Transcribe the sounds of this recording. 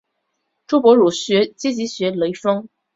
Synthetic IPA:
ʈ͡ʂu˥pwɔ˧˥ɻu˨˩ɕɥɛ˧˥t͡ɕjɛ˥t͡ɕi˧˥ɕɥɛ˧˥le˧˥ɪfɤ˥ŋ

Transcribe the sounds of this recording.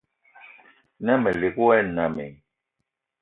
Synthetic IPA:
na˦me˨le˨ku˦ɛ˦na˨mḛ˨

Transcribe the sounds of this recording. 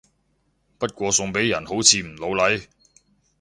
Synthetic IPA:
pɐ˥t̚kʷɔː˧sʊ˧ŋpe˨˥jɐ˨˩nho˨˥wt͡sʰiː˨˧m̩˨˩lo˨˧wlɐ˨˥j

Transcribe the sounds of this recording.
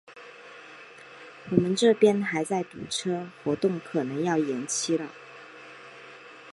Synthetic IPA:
wɔ˨˩mə˨˦nʈ͡ʂɤ˥˩pjɛ˥nxa˧˥ɪt͡sa˥˩ɪt̪ṵ˨˩ʈ͡ʂʰɤ˥xwɔ˧˥t̪ʊ˥˩ŋkʰɤ˨˩nɤ˧˥ŋjɑ˥˩ʊjɛ˧˥nt͡ɕʰi˥lə˨

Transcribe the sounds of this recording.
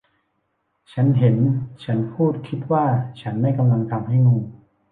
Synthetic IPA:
t͡ɕʰa˦˥nɦe˩˦nt͡ɕʰa˦˥npʰuː˥˩t̪̚kʰi˦˥t̪̚waː˥˩t͡ɕʰa˦˥nma˥˩jka˧mla˧ŋt̪ʰa˧mha˥˩jŋuː˧

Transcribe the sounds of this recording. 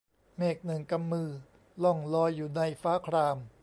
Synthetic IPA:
meː˨˩k̚nɯ˨˩ŋka˧mːɯː˧ | lɔ˧˩ŋlɔː˧jːuː˨˩na˧jfaː˦˥kʰɾaː˧m

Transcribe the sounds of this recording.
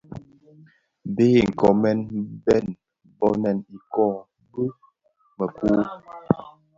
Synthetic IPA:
be˦˨ŋ̩˨kɔ˨mɛ˦nbɛ˦˨n | bɔ˦na˨ni˨kɔ˦˨ | bə˦ | mə˨ku˦

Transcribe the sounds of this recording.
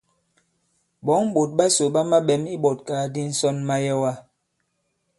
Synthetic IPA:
bɔ˨˦ŋ˦ɓo˨t̚ɓa˦so˨ɓa˦ma˦ɓɛ˨˦mi˦ɓɔ˨t̚kaː˨˦di˦n̩˦sɔ˦nma˦jɛ˦wa˦

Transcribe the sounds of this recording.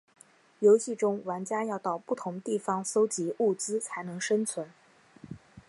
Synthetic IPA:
jo˧˥ʊɕi˥˩ʈ͡ʂʊ˥ŋwa˧˥nt͡ɕja˥jɑ˥˧ʊt̪ɑ˥˩ʊpu˥˩t̪ʰʊ˧˥ŋt̪i˥˩fɑ˧˥ŋso˥ʊt͡ɕi˧˥ʔu˥˩t͡sɹ̩˥t͡sʰa˧˥ɪnɤ˧˥ŋʂə˥nt͡sʰwə˧˥n

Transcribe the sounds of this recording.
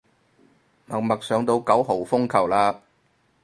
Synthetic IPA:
mɐ˨˩ŋ̚mɐ˨k̚sœː˨˧ŋt̪o˧wkɐ˨˥wɦo˨˩wfʊ˥ŋkʰɐ˨˩wlaː˧

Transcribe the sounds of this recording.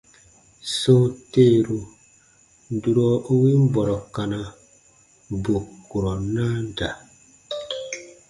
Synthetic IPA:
so˦te˦˨ɾu˨ | n˦du˨ɾɔ˦ʔo˦wi˦m˦bɔ˨ɾɔ˨ka˨na˨ | bu˨ku˨ɾɔ˨na˦n˦da˨

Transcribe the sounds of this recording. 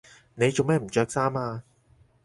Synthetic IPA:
ne˨˧jt͡so˨wmɛː˥˩m̩˨˩t͡ʃœː˧k̚saː˥maː˧

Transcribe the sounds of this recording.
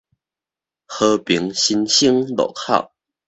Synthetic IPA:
xɤ˧pi˧˦ŋɕi˧nɕi˦ŋlɔ̰˨˩kʰa̰˥˨ʊ

